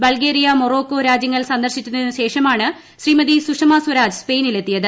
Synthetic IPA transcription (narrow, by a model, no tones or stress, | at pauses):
bɐɭɡeːɾijɐmoro̞ːkːo̞ːɾaːd͡ʑjɐŋːɐɭsɐnd̪ɐrɕikʲːunːɐðenːɨɕe̞ːʂɐmaːɳɨ | ɕriːmɐðisuʂɐmaːswɐɾaːd͡ʑɨspe̞ːnile̞t̪ːijɐðɨ